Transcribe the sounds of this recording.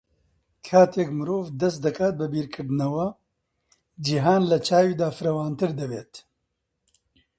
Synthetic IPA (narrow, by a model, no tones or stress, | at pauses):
kʰaːt̪ʰeːkmɨɾoːvd̪ɐst̪̚d̪ɐkʰaːt̪̚bɨbiːɾkʰɨɾd̪ɨnɐwɐ | d͡ʒiɦaːnlɐt͡ʃʰaːwiːd̪aːfɨɾɐwaːnt̪ɨɾd̪ɐbeːt̪